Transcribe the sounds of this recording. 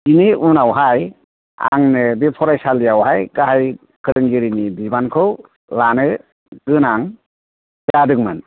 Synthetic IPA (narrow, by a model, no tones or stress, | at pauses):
iniʔunawɦaj | a̰ŋnɯbipʰɔɾajsalijawɦajkaɦaj | kʰɯɾɯŋɡiɾinibibankʰɯw | lanɯ | ɡ̥ɯnaŋ | jadɯkmɯn